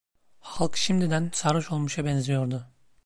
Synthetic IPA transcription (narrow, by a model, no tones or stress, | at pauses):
halˠkʃimd̪id̪ænsaɾɯʃo̞lˠmuʃabɛnzʲijo̞ɾd̪ʊ